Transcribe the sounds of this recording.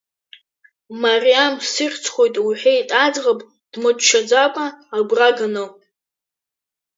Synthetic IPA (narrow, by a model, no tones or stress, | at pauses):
marijamsɨrʲt͡sʰχʷo̞jtʼwiħʷᶣejtʼad͡zʁapʼ | d̥mɨt͡ʃʼʃʰad͡zakʷʼaːɡʷraɡanɨ